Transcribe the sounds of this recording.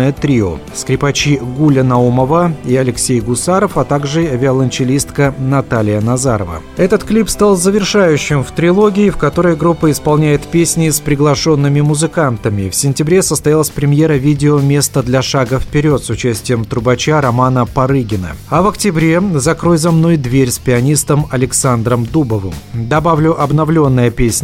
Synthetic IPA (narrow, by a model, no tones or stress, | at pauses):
əjət̪ɾʲio̰skɾʲɪpɐt͡ɕiɡulʲɪnɐuməvəiɐlʲɪksʲejɡʊsaɾəfɐt̪aɡʐɨvʲɪɐlˠənʲt͡ɕɪlʲist̪kənɐt̪alʲɪjənɐzaɾəvə̰ | ɛt̪ət̪klʲipst̪alˠzəvʲɪrʂajʉɕːɪmft̪ɾʲɪlˠo̞ɡʲɪːfkɐt̪o̞ɾəjɡɾupːəɪspɐlˠnʲæjɪt̪pʲesʲnʲɪːspɾʲɪɡlˠɐʂo̞nːɨmʲɪmʊzɨkant̪əmʲɪfsʲɪnʲtʲɪbɾʲe̞səst̪ɐjalˠəsʲpɾʲɪmʲje̞ɾəvʲidʲɪomʲe̞st̪əd̪lʲɐʂaɡəfpʲɪɾʲo̞t̪sʊt͡ɕæsʲtʲɪjəmt̪ɾʊbɐt͡ɕaɾɐmanəpɐɾɨɡʲɪnə̰ɐvɐktʲɪbɾʲe̞zɐkɾo̞jzɐmno̞jd̪vʲeɾʲspʲɪɐnʲist̪əmɐlʲɪksand̪ɾəmd̪ubəvɨmd̪ɐbavlʲʊʔɐbnɐvlʲo̞nːəjəpʲesʲnʲ